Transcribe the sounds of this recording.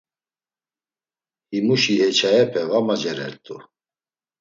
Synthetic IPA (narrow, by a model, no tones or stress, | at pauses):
himuʃihɛt͡ʃʰajɛpʰɛvamad͡ʒɛɾɛ̰ɾt̪ʼṵ